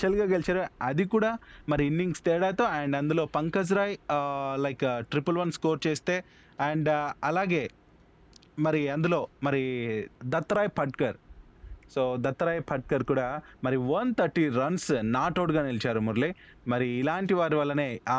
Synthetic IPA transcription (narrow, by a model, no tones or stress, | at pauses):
t͡ʃɐlɡaːɡelit͡ʃaːɾuɐd̪ikuːɽaːmɐɾiinːiŋɡst̪ɛːɽaːjt̪o̞ːɛɳɖɐnd̪ulo̞ːpɐŋkɐd͡ʒɾaːjlɐjkʈɾipɐlʋɐnskoːɾt͡ʃeːst̪e̞ː | ɐɳɖɐlaːɡe̞ː | mɐɾiɐnd̪ulo̞ːmɐɾid̪ɐt̪ːɐɾaːjpʰɐʈkɐɾ | soːd̪ɐt̪ːɐɾaːjpʰɐʈ̚kɐɾkuːɽaːmɐɾiʋɐnt̪ʰɐɾʈːiɾɐnsnaːʈoːɽɡaːnilit͡ʃaːɾumuɾli | mɐɾiːlaːɳʈiʋaːɾiʋɐlːɐne̞ː